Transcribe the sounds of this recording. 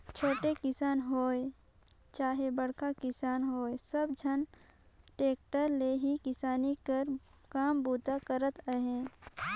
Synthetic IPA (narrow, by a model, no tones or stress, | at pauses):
t͡ʃʰoːʈekɪsaːnɦoːe | t͡ʃaːɦebəɽkakɪsaːnɦoːesəbd͡ʒʱən | ʈeːk̚ʈəɾleɦikɪsaːnikəɾ | kaːmbuːt̪akəɾət̪əɦɛ̃ː